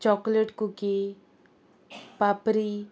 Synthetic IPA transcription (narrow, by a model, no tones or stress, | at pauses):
t͡ʃɔkleʈkuki | papɾi